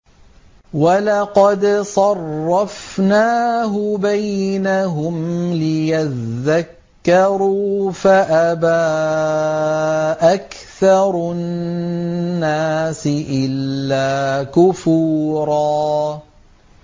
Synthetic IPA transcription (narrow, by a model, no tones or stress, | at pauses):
walɑqɑd̪sˤɑrːɑfnaːɦʊbajnaɦʊmlɪjaðːakː | ɑɾuːfaʔabaː | ʔak | θɑɾˤ | aːsɪʔɪlːaːkʊfuːɾɑː